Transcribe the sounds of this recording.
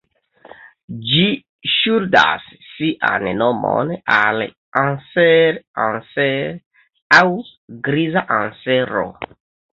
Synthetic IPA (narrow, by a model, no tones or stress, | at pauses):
d͡ʒi | ʃuɾda̰sːiʔannomo̰nal | anseɾanseɾ | awɡɾizaʔanseɾo̰